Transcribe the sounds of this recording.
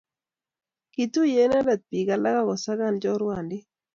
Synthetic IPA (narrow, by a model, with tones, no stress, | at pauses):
ki˨t̪u˦je˦na˦da˨t̪̚pi˨ɡa˨la˦ɡa˦kɔ˨sa˦ɡa˦˨nd͡ʒɔ˦ɾwa˨ndɪ˦